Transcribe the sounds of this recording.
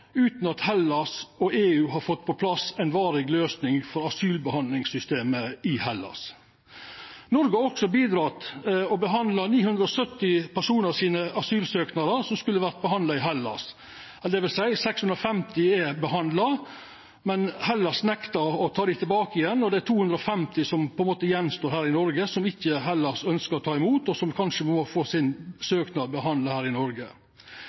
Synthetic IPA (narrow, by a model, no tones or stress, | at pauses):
ʉːt̪n̩ɑt̪hɛlːɑsɔeːʉːɦɑɾfɔt̪ːpʰɔpʰlɑsæɪnʋɑːɾɪɡløːsnɪŋfɔɾɑsyːlbəhɑnlɪŋsʏst̪eːməɪhɛlːɑ̰s | nɔɾɡəɔksɔbiːd̪ɾɑːt̪ɔbəɦɑnd̪lɑniːhʉnd̪ɾəɔsœt̪ːɪpʰæʂuːnəɾsiːnəʔɑsyːlsøːknɑɾəsɔmskʉlːəʋæɾt̪̚bəɦhɑnd̪lɑɪɦɛlːɑ̰s | ɛld̪ɛʋɪlsæɪsɛksʉnd̪ɾɔfɛmt̪ɪɛbəɦɑnd̪lɑ | mɛnhɛlːɑsnɛkt̪ɑɔt̪ʰɑːɾd̪ɪt̪ʰɪlbɑːkəɪjɛnːɔd̪ɛæt̪ʰuːhʉnd̪ɾəɔfɛmt̪ɪsɔmpʰɔɛnmoːt̪əjɛnːst̪oːɾhæːɾɪnɔɾɡəsɔmɪçːəɦɛlːɑsœnskəɾɔt̪ʰɑːɪmuːt̪ɔsɔmkʰɑnʂəmmɔfoːsɪnsøːknɑbəɦɑnd̪əhæːɾɪnɔɾɡə